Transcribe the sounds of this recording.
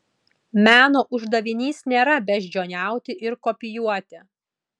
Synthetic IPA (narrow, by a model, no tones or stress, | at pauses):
mʲæːnoːʔʊʒd̪ɐʋʲɪnʲiːsnʲeːɾɐbʲɛʒʲd͡ʒʲoːnʲæˑʊt̪ʲɪʔɪɾkɔpʲɪjuɔt̪ʲɪ